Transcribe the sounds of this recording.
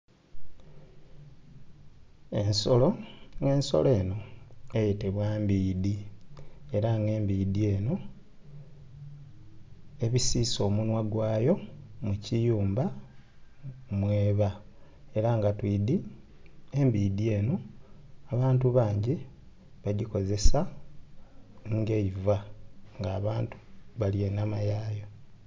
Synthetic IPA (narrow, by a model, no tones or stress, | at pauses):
e̞nso̞lo̞ŋɡe̞ːnso̞̰le̞ːno̞ejiteβwambiːdi | e̞ɾaŋɡe̞ːmbiːdie̞ːno̞ | e̞βisiːso̞ːmunwaɡwaːjo̞mucijuːmba | mwe̞ːβa | eɾaŋɡatwiːd̪i | embiːd̪ie̞ːnoaβaːntuβaːɲɟi | βaɟiko̞ze̞sa | ŋɡe̞ivaŋɡaːβaːntu̥βaljenːamajaːjo